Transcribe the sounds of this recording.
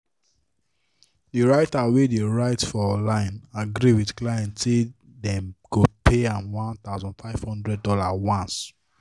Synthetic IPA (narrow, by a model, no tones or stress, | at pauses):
diɹaɪtawedeɹaɪtfɔɔlãɪ̃naɡɾiwidklaɛ̃ntse | dɛ̃mɡ̥opʰeãmwɔ̃nt̪aʊzɔ̃nfaɪv̥hɔ̃ndɹɛd̚dɔlawãns